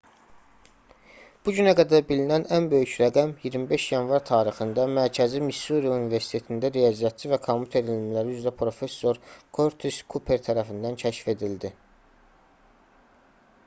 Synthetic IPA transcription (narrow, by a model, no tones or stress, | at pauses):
b̥uɟynæɡæd̪æɾbilinænænbø̞jycɾæɡæmjiɾmibe̞ʃjɑnvɑɾt̪ʰɑːɾixɯnd̪ɑmæɾcʰæzimisːuɾiunive̞ɾsi̥t̪ʰe̞t̪ʰind̪æɾejɑzjæt̪t͡ʃʰivækʰomjut̪ʰe̞ɾellmlæɾiyzɾæpʰɾo̞fe̞sːo̞ɾkʰo̞ɾt̪ʰeskʰupʰe̞ɾt̪ʰæɾæfind̪æncʰæʃfe̞d̪ild̪i